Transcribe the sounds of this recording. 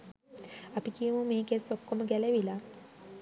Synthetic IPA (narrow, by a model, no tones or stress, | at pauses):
ɐpikijumumeːkesokːoməɡæleʋila